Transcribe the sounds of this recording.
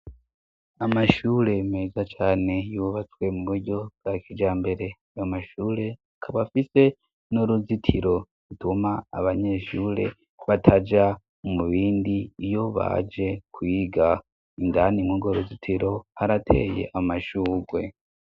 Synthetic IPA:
amaʃuːɾe̞meːzat͡ʃaːne̞juβat͡swe̞muβuɾɟo̞bɡ̥akʰid͡ʒaːmbe̞ɾe̞ajomaʃuːɾe̞akʰaβafise̞ | noɾuzitʰiɾo̞ | ɾutuma̰ːβaɲe̞ʃuːɾe̞̰ | βatʰad͡ʒa | omuβiːndiːjo̞βa̰d͡ʒe̞kwiːɡa | indanimwuɡoɾuzitʰiɾo̞haɾatʰe̞̰je̞̰ʔamaʃuːɡwe̞

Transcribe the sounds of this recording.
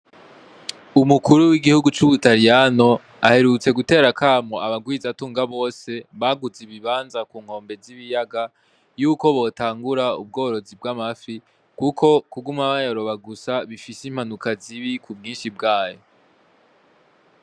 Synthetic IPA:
umukuɾuwiɡihuɡut͡ʃuβutaɾijano̞ | a̰he̞ɾut͡se̞ɡute̞ːɾakʰaːmoaβaɡwiːzatuːŋɡaβo̞ːse̞βaɡuziβiβaːnzakuːŋ̥ho̞ːmbe̞ziβijaɡa | juːko̞βo̞ːtaːŋɡuɾaub̚ɡo̞ːɾo̞zib̚ɡamafi | kukʰo̞kuɡumaβajoɾo̞βaɡusaβifisim̥hanukaziβikʰubɡiːnʃibɡaːjo̞

